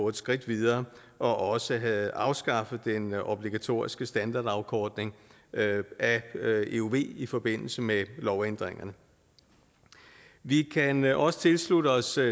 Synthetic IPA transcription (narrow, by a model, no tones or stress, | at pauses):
ɔed̥sɡ̥ʁid̥ʋiðˠɐː | ʔɒ̽ʔɒ̽səɑ̈ʊsɡ̥ɑ̈fəd̥enʔob̥liɡ̥æt͡sʰo̝̰ːɐisɡ̥əsd̥ænd̥ɑ̈ːd̥ɑ̈ʊkʰɒːd̥ne̝ŋ | æeuʋe̝̰ːifɒ̽b̥e̝n̰l̩səmelɒʊend̥ʁeŋɐnə | ʋikʰænʔɒ̽sə̥t͡sʰe̝lsludəɒ̽s